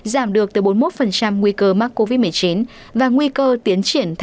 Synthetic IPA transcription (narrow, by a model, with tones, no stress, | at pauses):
zaː˧˩mɗɨ˨˩ək̚t̪ɨ˨˩ɓo˨˦nmo˦˥t̚fə˨˩nt͡ɕa˧mŋwi˧kəː˧maː˦˥k̚kːo˧vi˦˥t̚mɨ˨˩əjt͡ɕi˨˦n | vaː˨˩ŋwi˧kəː˧t̪i˨˦ənt͡ɕi˧˩ənt̪ʰ